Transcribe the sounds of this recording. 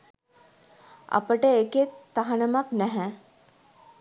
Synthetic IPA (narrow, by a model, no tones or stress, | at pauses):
ɐ̰pəʈəeket̪ːaɦɐnəmaknɛɦɛ̃